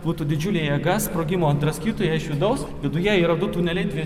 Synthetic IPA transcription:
b̥uːt̪uːd̪ʲɪd͡ʒʲʊlʲeːjɛːɡɐspɾoːɡʲɪmoːɐnt̪ɾɐsʲkʲiːt̪oːjɛɪʃʋʲɪd̪ɐʊsʋʲɪd̪ʊjɛiːɾɐd̪ʊt̪uːnʲɛlʲɛɪt̪ʲʋʲi

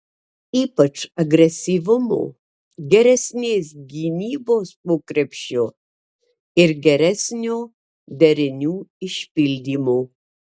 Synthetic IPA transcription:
iːpɐt͡ʃɐɡɾʲɛsʲiʋʊmo̰ | ɡʲɛɾʲɛsʲnʲeːsɡʲinʲiːboːspoːkɾʲɛpʲʃʲo | ɪɾɡʲɛɾʲɛsʲnʲoː | d̪ʲɛɾʲɪnʲuːɪʃʲpʲɪlʲd̪ʲiːmoː

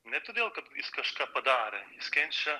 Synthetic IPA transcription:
nʲɛt̪oːd̪ʲeːlˠkɐt̪jɪskɐʃkɑːpɐd̪ɑːɾʲɛjɪskʲɛnʲt͡ʃʲɛ

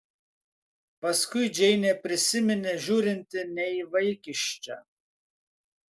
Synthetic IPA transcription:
pɐskʊɪd͡ʒʲɛɪnʲepʲɾʲɪsʲɪmʲɪnʲeʒʲuːɾʲɪnʲt̪ʲɪnʲɛiʋɐɪkʲɪʃʲt͡ʃʲɛ̰

